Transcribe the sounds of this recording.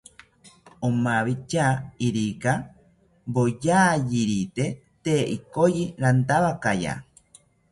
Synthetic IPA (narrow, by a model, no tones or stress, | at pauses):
omaβit͡ʃaiɾika | bojaːjiɾit̪et̪eʔikojiɾant̪aβakaja̰